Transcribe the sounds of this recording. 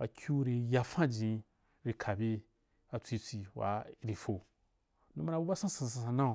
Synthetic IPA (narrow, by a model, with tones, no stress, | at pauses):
a˨kʰʲu˦ɾi˧ja˧fã˦d͡ʒĩ˨˧ | ɾi˧kʰa˨bi˧ | a˧t͡sʷi˧t͡sʷi˧wa̰˨˦ɾi˨fo˨ | nũ˦ma˦ɾa˧˨bu˦ba˦sã˦sã˨˧˨ssã˧sã˧nã˦˨